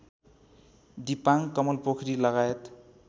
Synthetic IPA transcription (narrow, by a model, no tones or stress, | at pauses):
d̪ipaŋkʌmʌlpokʰɾilʌɣajet̪